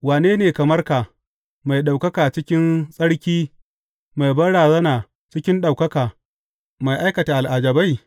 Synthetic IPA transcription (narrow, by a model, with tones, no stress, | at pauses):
waː˨neː˦neː˨kɐ˨mɐ˦rka˨ | ma˨jɗa˨wkɐ˦kaː˨t͡ʃɪ˦kʲɪ˦nsʼɐ˦ɽkʲiː˦ | ma˨jbɐ˦ɽaː˨zɐ˦naː˨ | t͡ʃɪ˦kʲɪ˦nɗa˨wkɐ˦kaː˨ | ma˨jʔa˦jkɐ˨taː˨ʔa˨lʔa˨d͡ʒɐ˨ba˦j